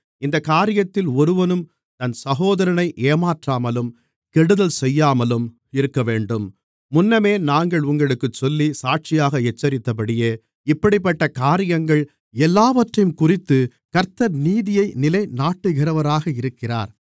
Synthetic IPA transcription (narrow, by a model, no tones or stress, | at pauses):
ɪnd̪ɐkaːɾɪjɐt̪ːɪlɔɾɯʋɐnɯm | t̪ɐnsɐɣoːðɐɾɐnɐɪʔeːmaːʈraːmɐlɯm | kɛɽɯðɐlsɛjːaːmɐlɯm | ɪɾɯkːɐʋeːɳɖɯmː | ʊnːɐmeːnaːŋɡɐɭʊŋɡɐɭɯkːɯt͡ʃːɔlːisaːʈ̚t͡ʃɪjaːɣɐɛt͡ʃːɐɾɪt̪ːɐp̬ɐɽɪjeː | ɪpːɐɽɪpːɐʈːɐkaːɾɪjɐŋɡɐɭ | ɛlːaːʋɐʈrɐjɯmkʊrɪt̪ːɯ | kɐɾt̪ɐɾniːðɪjɐɪnɪlɐɪnaːʈːɯɣɪrɐʋɐɾaːɣɐɪɾɯkːɪra̰ːɾ